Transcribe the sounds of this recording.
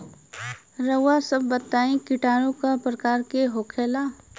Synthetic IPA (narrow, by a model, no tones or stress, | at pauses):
ɾəwasəbːət̪ːaːĩkɪʈaːɾ̃õkapɾəkaːɾkeɦoːkʰeːlaː